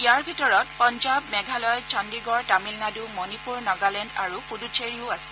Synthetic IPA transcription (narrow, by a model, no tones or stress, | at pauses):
ijaɹbʱitɔɹɔt̚pɔnd͡ʒabmɛɡʱalɔjt͡ʃandiɡɔɹtamilnadumɔnipuɹnɔɡalɛndaɹupudut͡ʃʰeɹiʊasɛ̥